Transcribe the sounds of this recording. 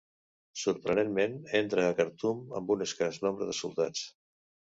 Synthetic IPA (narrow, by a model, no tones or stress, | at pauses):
suɾpɾənenmenent̪ɾəːkəɾt̪umə̰mbuneskaznombɾəðəsulˠt̪a̰t͡s